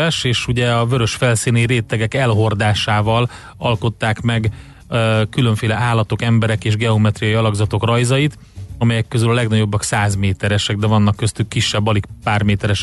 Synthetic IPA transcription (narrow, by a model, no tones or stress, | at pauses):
ɛʃeːʃuɟɛɒvøɾøʃfɛlsiːniɾeːt̪ɛɡɛkɛlɦo̞rd̪aːʃaːvɒl | ɒlko̞t̪ːaːkmɛɡ | kyløɱfeːlɛʔaːlːɒt̪o̞kɛmbɛɾɛkeːʒɡɛo̞mɛt̪rijɒjiɒlɒɡzɒt̪o̞krɒjzɒjit̪ | ɒmɛjɛkːøzylɒlɛɡnɒɟo̞bːɒksaːzmeːt̪ɛɾɛʃɛɡ̚d̪ɛvɒnːɒkːøst̪ykːiʃːɛbːɒlikpaːrmeːt̪ɛɾɛʃ